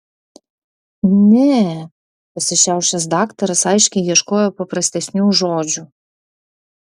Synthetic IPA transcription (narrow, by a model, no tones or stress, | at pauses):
nʲɛ | pɐsʲvʲɛɕawʂɨzd̪akt̪ɐɾɐsajʂkʲijʲɛʂkɔjɔpɐpɾɐsʲt̪ʲɛsʲnʲuʐɔd͡ʒu